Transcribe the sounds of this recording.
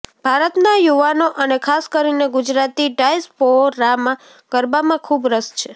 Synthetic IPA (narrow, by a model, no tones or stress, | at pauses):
bʱaɾət̪najuʋanoʔənekʰaskəɾineɡʊd͡ʒɾat̪iɖaispoːamã | ɡ̥əɾbamãkʰubɾəst͡ʃʰe